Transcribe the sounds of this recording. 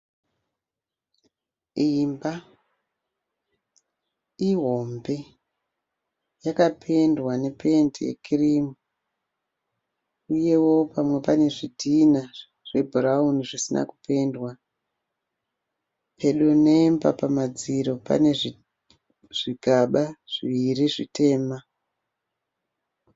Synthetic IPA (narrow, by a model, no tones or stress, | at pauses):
imba | iɦo̞mbe̞ | jakapʰe̞ndwane̞pe̞ntḭjḛkʰirimu | uje̞wo̞pamwe̞pane̞ʐidʱina | ʐ̥e̞bʱurauniʐisina̰kupe̞ndwa | pʰe̞ɗone̞mba̰pamad͡ziɾo̞pa̰nei | ʐ̥iɡʱaɓaʐ̥iʋiɾiʐitʰe̞ːma